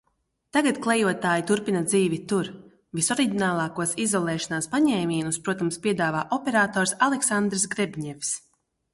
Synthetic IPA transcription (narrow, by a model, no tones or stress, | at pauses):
t̪aɡat̪klˠɛjuɔt̪aːjit̪uɾpinad̪ziːvit̪uɾ | visɔɾiɟʲinaːlˠaːkuɔsizɔlˠɛːʃanaːspaɲɛːmʲiɛnuspɾuɔt̪amspʲiɛd̪aːvaːʔɔpɛɾaːt̪ɔːɾsalˠeksand̪ɾs̬ɡɾɛbʲɲɛfʲs